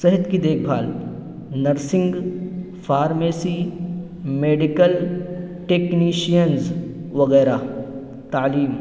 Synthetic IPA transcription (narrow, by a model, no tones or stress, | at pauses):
sɐɦət̪kid̪eːk̚ʰbʱaːl | nɐɾsɪ̃ŋɡ | fʰaːɾmeːsiː | meːɖɪkəlʈeːkniːʃijənz | ʋɐɣɛːɾaː | t̪aːliːm